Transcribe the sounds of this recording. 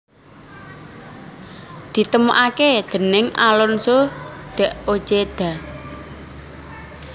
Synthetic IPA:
d̪̥i̤t̪əmuʔaked̪̥ə̤nɪŋʔa̰lɔnsod̪̥ə̤ʔo̥d͡ʒ̥ed̪̥a̤

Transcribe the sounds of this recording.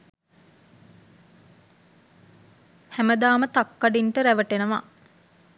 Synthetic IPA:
hæməd̪aːmət̪akːaɖiɳʈəɾæʋəʈenəʋa̰

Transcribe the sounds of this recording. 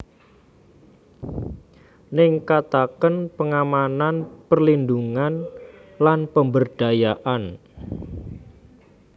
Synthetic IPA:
nɪŋkat̪akənpəŋamananpərlind̪uŋanlanpəmbərɖ̥a̤jaʔan

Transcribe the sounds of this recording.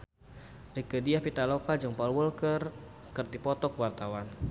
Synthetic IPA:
rikədiahpit̪alɔkad͡ʒɔŋpalwulkər | kərt̪ipɔt̪ɔkəwart̪awan

